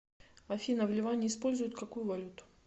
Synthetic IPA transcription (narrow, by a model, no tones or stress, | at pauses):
ɐfʲinəvlʲɪvanʲɪːspo̞lʲzʊjʊt̪kɐkujʊvɐlʲut̪ʊ̥